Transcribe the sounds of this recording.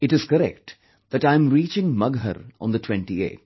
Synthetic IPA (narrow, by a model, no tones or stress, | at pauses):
ɪʈɪz̥kəɾɛk̚ʈ | d̪̥æʈãɪ̃mɾiːt͡ʃɪ̃ŋmʌɡɦə̰ɾɔ̰̃ːnd̪əʈʰwɛ̃ɳʈiḛː